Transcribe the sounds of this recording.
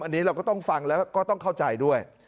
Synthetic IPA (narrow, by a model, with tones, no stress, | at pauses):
mʔa˧nːi˦˥ɾa˧wkɔ˥˩t̪ɔ˥˩ŋfa˧ŋlɛː˦˥wkɔː˥˩t̪ɔ˥˩ŋkʰa˥˩wt͡ɕa˧jdu˥˩əj